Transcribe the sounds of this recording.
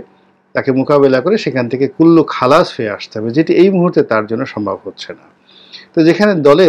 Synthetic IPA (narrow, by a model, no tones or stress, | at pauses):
t̪akemokaβelakoɾeʃekʰant̪ʰekekulːokʰalashoea̰ʃt̪eɦɔbed͡ʑeʈiejmuɦuɾt̪et̪aɾd͡ʑonːoʃɔmbʱa̰bɦotːɕʰena | t̪od͡ʑekʰaned̪ɔle